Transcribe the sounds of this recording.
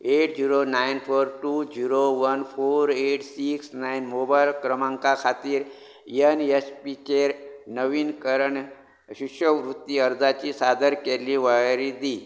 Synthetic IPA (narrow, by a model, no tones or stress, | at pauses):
eʈd͡ʑiɾonainfʰoɾʈud͡ʑiɾoʋənpʰoɾeʈsiksnainmobajlkɾəmãŋkakʰat̪iːɾ | jənespit͡ɕeɾnəʋiːnkəɾəɳ | ɕikʂəʋɾut̪ːiəɾd͡zat͡ɕisad̪əɾkeliʋəjɾid̪i